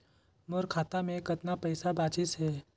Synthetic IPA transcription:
moɾkʰaːt̪amẽkɐt̪napɐjsabaːt͡ʃɪsɦɛː

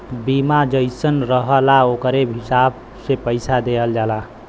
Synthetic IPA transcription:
bimad͡ʒəjsənɾəɦəlaokɾebɦisab | sepəjsad̪eəld͡ʒala

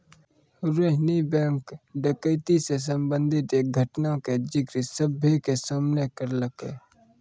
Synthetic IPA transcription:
ɾeɦnibɛ̃ːŋkɖəkəɪt̪ises̬əmbə̃nd̪ʱɪt̪eːk̚ɡʱəʈnaked͡ʒɪkɾisəbʱekesaːmnekəɾləkḛː

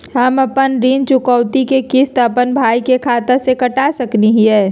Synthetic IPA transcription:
ɦəməpənɾiːnt͡ʃʊkəʊt̪ikekɪst̪əpənbʱaːikekʰaːt̪asekəʈasəkniɦiɦɛː

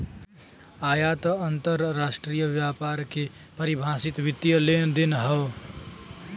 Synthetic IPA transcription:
ajat̪əənt̪əɾːasʈɾijəʋjapaɾke | pəɾibʱãsit̪ʋit̪ːijəlend̪inɦə

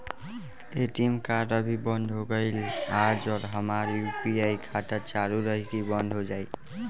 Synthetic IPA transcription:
eʈimkaɾəbʱibənd̪ʱɦoɡəɪlad͡ʒɔɾɦəmaɾjupiajkʰat̪ət͡ʃaɾuɾəɦikibənd̪ʱɦod͡ʒaj

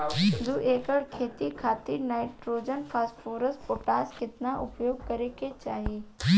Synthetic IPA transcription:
d̪uʔeːkəɽkʰeːt̪ikʰaːt̪iɾnaːɪʈɾoːd͡ʒənpʰaːsʈfoːɾəspoːʈaːskɪt̪ɪnaʔʊpjoːɡ̚kɐɾekʰet͡ʃaːɦiː

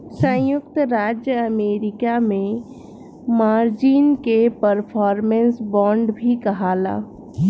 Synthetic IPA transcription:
sə̃jʊkt̪ɾaːd͡ʒjəɐmeːɾɪkamẽ | maːɾd͡ʒiːnkepəɾpʰɔːɾmẽnsbɔ̃ːɳɖbʱikɐɦaːla̰ː

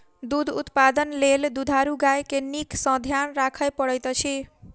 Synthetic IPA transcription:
d̪ud̪ʱut̪pad̪ənleld̪ud̪ʱaɾuɡajkeniksʌ̃d̪ʱjanɾakʰəjpʌɽʌjt̪ot͡ʃʰi

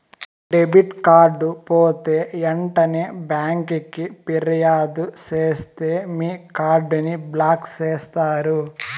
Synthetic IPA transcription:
ɖebiʈkaːɾɖupoːt̪e̞ːeɳʈɐneːbjaːŋkikipiɾɐjaːd̪ut͡ʃeːst̪e̞ːmiːkaːɾɖuniblaːkt͡ʃeːst̪aːɾu

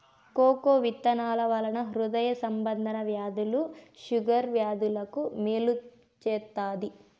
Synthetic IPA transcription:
koːkoːʋit̪ːɐnaːlɐʋɐlɐnɐɦɾud̪ɐjɐsɐmbɐnd̪ʱɐnɐʋjaːd̪uluʃuɡɐɾʋjaːd̪ulɐkumeːlu | t͡ʃɛːt̪ːaːd̪i

